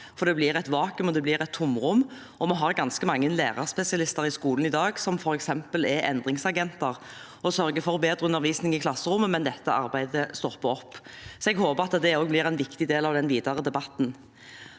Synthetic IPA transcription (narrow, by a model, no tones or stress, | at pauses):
fɔɾd̪ɛblɪʁɛt̪ʋɑːkʉmɔd̪ɛblɪɾɛt̪ʰːʊmʁʊmː | ɔmɔɦɑʁɡɑnskəmɑŋːənleːʁɑʁspɛsɪɑlɪst̪əʁɪskuːln̩ɪd̪ɑːɡsɔmfɔɾɛksɛmpəlɛʔɛ̰nd̪ʁɪŋsɑɡɛnt̪ɑʁ | ɔsœɾɡəfɔɾbeːd̪ɾəʉnːəʁʋiːsnɪŋɪkʰlɑsːəɾʊmːəmɛnd̪ɛt̪ːəʔɑɾbæɪd̪əst̪ɔpːəɔpːsɔɛɡhoːbəʁɑt̪d̪ɛoːɡblɪɾæɪnʋɪkt̪ɪd̪eːlɑʋd̪ɛnʋiːd̪ɑʁəd̪ɛbɑt̪ːn